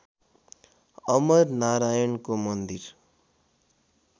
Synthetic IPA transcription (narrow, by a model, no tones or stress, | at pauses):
ʌmʌɾnaɾaːjənkomʌnd̪iɾ